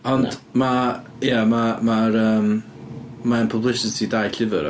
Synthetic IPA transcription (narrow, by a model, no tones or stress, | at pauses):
ɔndma | jamamaɾəːm | maənpʰəblɪsɪtʰidajɬɪvɨ̰ɾ̰